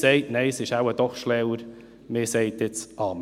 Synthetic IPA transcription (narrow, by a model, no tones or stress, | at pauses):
seɪtnɛɪsɪʃawəd̥̪ɔχʃlɛwəɾ | mɪseɪtɪt͡sʔɑːm